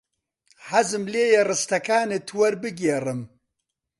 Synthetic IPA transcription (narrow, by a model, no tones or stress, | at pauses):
hɐzɨmleːjɛrɨst̪ɐkaːnet̪ʰwɐɾbɨɡeːrɨm